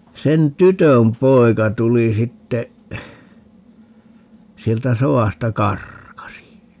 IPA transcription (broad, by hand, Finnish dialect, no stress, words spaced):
sen tytøm poi̯kɑ tuli sitːe sieltæ soɑˑstɑ kɑrkɑsi